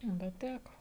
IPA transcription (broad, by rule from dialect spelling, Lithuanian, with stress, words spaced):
ˈbʲɛt ˈtʲækoː